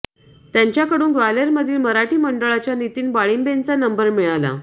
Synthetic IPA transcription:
t̪jaɲt͡ɕjakəɽuːnɡʋaleɾməd̪ʱiːlməɾaʈiːməɳɖəɭat͡ɕjanit̪iːnbaɭiːmbent͡sanəmbəɾmiɭala̰

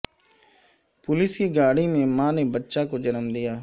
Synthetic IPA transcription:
pʊlɪskiːɡaːɽiːmẽːmãːneːbətːʃaːkoːd͡ʒənəmd̪ɪjaː

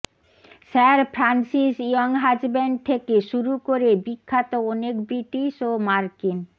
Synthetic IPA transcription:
sɛɾpʰɾansiʃiɔŋɦad͡ʑbɛɳɖ̚t̪ʰekeʃuɾukoɾebikʰːat̪oɔnekbɾiʈiʃomaɾkin

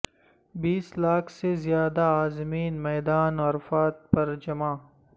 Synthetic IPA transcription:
biːslaːkʰsezjaːd̪aːzmiːnmɛːd̪aːnɐɾfaːt̪̚pɐɾd͡ʒɐmaː

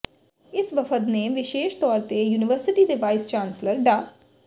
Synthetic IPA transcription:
ɪsʋəpʰət̪neːʋɪʃeːʃt̪ɔːɾt̪ejuːnɪʋəɾsɪʈiːd̪eːʋaːɪst͡ʃãːnsləɾɖaː

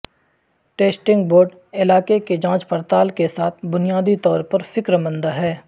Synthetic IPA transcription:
ʈeːsʈɪ̃ŋɡboːɾɖ | ɪlaːkeked͡ʒãːt͡ʃpəɾt̪aːlkesaːt̪ʰbʊnijaːd̪it̪ɔːɾpɐɾfɪkɾəmə̃nd̪aɦɛː

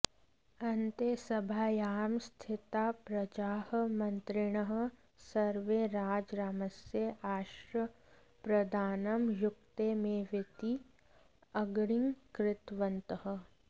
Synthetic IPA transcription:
ɐnt̪esɐbʱaːjaːmst̪ʰɪt̪aːpɾɐd͡ʒaːhmɐ̃nt̪ɾɪɽ̃əɦə̆ | sɐɾʋeɾaːd͡ʒɾaːmɐseaːʃɾə | pɾɐd̪ʱaːnəmjʊk̚t̪emẽʋɪt̪i | ɐɡɽɪŋkɾɪt̪ʋənt̪əɦə̆

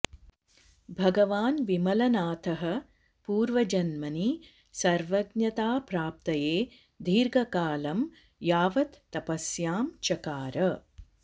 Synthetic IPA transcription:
bʱɐɡɐʋaːnʋimɐlɐnaːt̪ʰɐɦɐ̆ | puːɾʋɐd͡ʒɐnmɐni | sɐɾʋɐɡnɐt̪aːpɾaːp̚t̪ɐjeː | d̪ʱiːɾɡʱɐkaːlɐm | jaːʋɐt̪ːɐpɐsjaːmt͡ʃɐkaːɾɐ

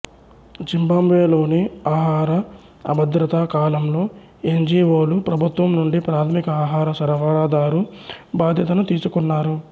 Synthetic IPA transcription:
d͡ʒimbamʋeːlo̞ːniaːɦaːɾɐ | ɐ̰bɐd̪ɾɐt̪akaːlɐmlo̞ː | e̞ɲd͡ʒiːʋo̞ːlupɾɐbʱut̪ʋɐmnuɳɖipɾaːt̪ʰɐmikɐaːɦaːɾɐsɐɾɐʋaːɽaːd̪aːɾubaːd̪ʱjɐt̪̬ɐnut̪iːsukunːaːɾu

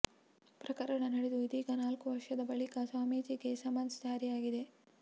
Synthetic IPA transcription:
pɾɐkɐɾɐɳɐnɐɽed̪uid̪iːkɐnaːlkuʋɐɾʂɐd̪ɐbɐɭikɐsaːmiːd͡ʒikesɐmɐnsd͡ʒaːɾijaːɡid̪e

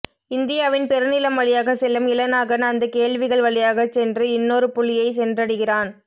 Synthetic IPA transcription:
ɪnd̪ɪjaːʋɪnpɛɾɯnɪlɐmʋɐɭɪjaːɣɐsɛlːɐmɪlɐnaːɣɐnɐnd̪ɐkeːɭʋɪɣɐɭʋɐɭɪjaːɣɐt͡ʃːɛndrɯɪnːoːɾɯpʊɭːɪjɐɪsɛndrɐɽɯɣɪraːn

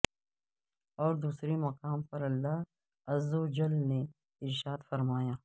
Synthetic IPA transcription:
ɔːɾd̪uːsɾemɐqaːmpɐɾɐlːa | ɐzod͡ʒɐlne | ɪɾʃaːd̪fɐɾmaːjaː

